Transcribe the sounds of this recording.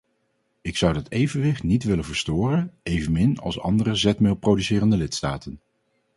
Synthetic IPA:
ɪksʌwdɑtejvənʋɪχtnitʋɪlənvəɹstʊːrənejvənmɪnɑ̰lˠsɑ̰ndərəzɛtmɪlˠprowdysɪːrəndəlɪtsta̰ːtən

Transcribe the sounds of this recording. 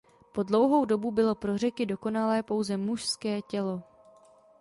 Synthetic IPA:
po̞dlo̞wɦo̞wdo̞bubɪlo̞pɾo̞r̝ɛkɪdo̞ko̞nalɛːpo̞wzɛmuʃskɛːcɛlo̞

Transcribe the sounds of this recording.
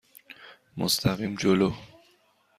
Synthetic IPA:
mo̰st̪ʰæɣiːmd͡ʒolo

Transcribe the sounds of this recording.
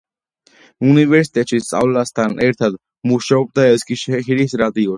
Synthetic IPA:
univɛɾsi̥t̪ʰʼɛt͡ʃʰist͡sʼa̰wlast̪ʰanɛɾt̪ʰad̪ | muʃaɔb̚d̪aɛskiʃɦiɾisɾat̪iɔs

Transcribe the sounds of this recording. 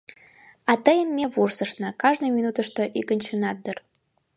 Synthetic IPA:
ɑt̪əjəmːʲeβursəʃnəkɑʒnojmʲinut̪əʃt̪oʔikənʲt͡ɕunɑt̪̚d̪ər

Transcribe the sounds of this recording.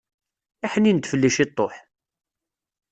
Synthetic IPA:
æħnint̪ːfəlːiʃit̪ˤːoħ

